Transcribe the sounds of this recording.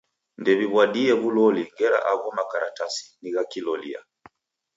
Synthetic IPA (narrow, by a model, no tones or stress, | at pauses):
ndɛβiβwaɗiɛβulɔliŋɡɛɾa̰ʔaɣɔmakaɾatasi̥niɣakilɔlḭa̰